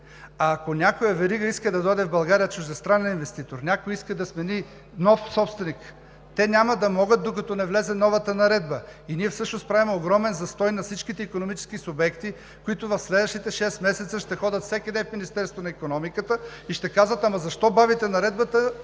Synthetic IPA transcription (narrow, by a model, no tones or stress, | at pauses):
akonʲakojɐvɛɾiɡəiskəd̪ɐd̪ɔjd̪ɛvbɐlˠɡaɾijət͡ʃʊʒd̪ɛst̪ɾanɛninvɛst̪it̪oɾnʲakojiskəd̪ɐsmɛni | nɔfsɔpst̪vɛnik | t̪ɛnʲamɐd̪ɐmɔɡət̪̚d̪okɐt̪ɔnɛvlɛzɛnɔvət̪ənɐɾɛd̪bəiniɛfsɤʃnospɾavimɛoɡɾɔmɛnzɐst̪ɔjnɐfsit͡ʃkit̪ɛikonomit͡ʃɛ̥skisʊbɛkt̪i | kʊit̪ʊvɐfslɛd̪vəʃt̪it̪ɛʃɛsmɛsɛt̪səʃt̪ɛxɔdʲət̪fsɛkʲid̪ɛnfminist̪ɛɾst̪vonɐikonɔmikət̪ə | iʃt̪ɛkazvɐt̪amɐzɐʃt̪ɔbavit̪ɛnɐɾɛd̪bət̪ə